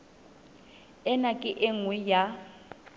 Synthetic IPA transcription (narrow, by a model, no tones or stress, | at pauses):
ɛnakʼɪʔeŋwɪja